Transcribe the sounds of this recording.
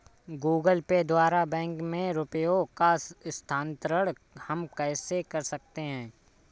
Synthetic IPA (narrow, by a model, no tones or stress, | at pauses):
ɡuːɡəlped̪waːɾabɛ̃ːŋkmẽɾʊpəjokast̪ʰaːnt̪ɾəɽ | hɐmkɛːsekɐɾsɐk̚t̪eɦɛ̃ː